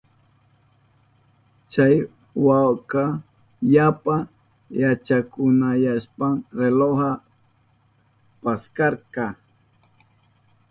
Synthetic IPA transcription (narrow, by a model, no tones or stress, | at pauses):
t͡ʃaj | wawka | ʎapa | jat͡ʃakʊnajaspaŋɾeloha | paskaɾkɑ